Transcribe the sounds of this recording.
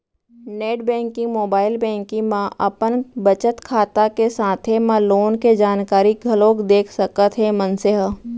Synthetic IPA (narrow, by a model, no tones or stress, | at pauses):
neːʈbɛ̃ːŋkɪ̃ŋɡmoːbaːɪlbɛ̃ːŋkɪ̃ŋmãʔɐpənbɐt͡ʃət̪kʰaːt̪akesaːt̪ʰemãloːnked͡ʒaːnkaːɾiɡʱɐlõkd̪eːkʰsɐkət̪ʰɦɛmə̃nsəɦ